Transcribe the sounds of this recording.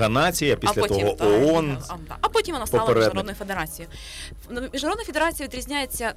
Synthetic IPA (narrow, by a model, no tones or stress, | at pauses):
ɐnɑt͡sʲijɐpʲislʲɐt̪ɔɦɔʔɔɔnɐpotʲimɔnaspɔlˠeɾɛd̪d̪nɔjʊfed̪eɾat͡sʲijʊ | mʲiʒnɾod̪njfʲɪd̪eɾat͡sʲijɐʋʲid̪ɾʲizʲnʲajet͡sʲːɐ